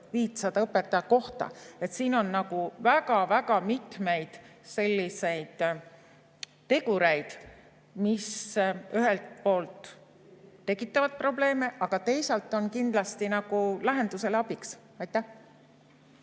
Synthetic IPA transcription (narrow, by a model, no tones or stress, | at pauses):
viːt̪sɑd̪̥ɑɤpːˑet̪ːˑɑjɑko̞ht̪ɑ̰e̞t̪siːno̞nːnɑɡuvæɡɑvæɡɑmit̪me̞jd̪̥se̞lʲːise̞jd̪̥ | t̪ːe̞ɡ̥uɾe̞jd̪̥ | misyɦe̞lt̪̚po̞ːlt̪ː | e̞kːˑit̪ːˑɑvɑd̪̚pro̞ble̞ːme̞ʔɑɡ̥ɑt̪e̞jsɑlt̪ːˑo̞nkind̪lɑst̪inɑɡ̥ulæɦe̞nd̪use̞leɑb̥iks | ɑjt̪ːˑæh